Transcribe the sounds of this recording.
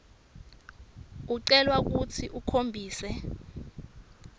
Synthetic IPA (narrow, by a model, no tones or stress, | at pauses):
uǀɛlwak̬ut͡sʰiʔukʰombʱiːsɛ